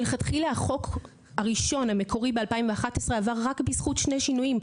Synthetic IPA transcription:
leχat̪χilaχo̞k | haʁiʃo̞nhamekʰo̞ʁibealpaimveaχat̪esʁe̞avaʁːakbisχutʃne̞jʃinujim

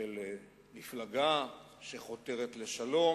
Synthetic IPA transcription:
el | miflaɡa | ʃe̞χo̞te̞ʁet̪le̞ʃalo̞

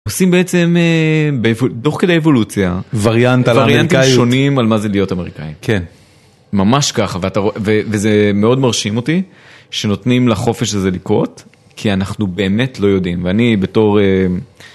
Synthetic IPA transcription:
osimbeet͡se̞mebevoto̞χkedejevo̞lut͡sjavaʁjantvaʁjanntiʃo̞nimalmazelijo̞tame̞ʁikaimkʰen | mamaʃkaχaveataʁovevezeme̞o̞dmaʁʃimo̞ti | ʃe̞no̞tnimlaχo̞feʃaze̞likʁo̞t | kʰianaχnube̞ːme̞tlo̞jo̞dimveanibe̞to̞ʁe

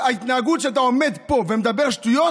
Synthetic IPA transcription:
ait̪naːɡut̪ʃeat̪̬ao̞med̪po̞vemed̪abeʁaʃt̪ujo

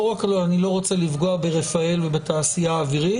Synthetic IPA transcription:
oʁakloanilo̞ʁo̞t͡selivɡo̞abe̞ʁe̞fae̞lvebet̪aːsijaːviʁi

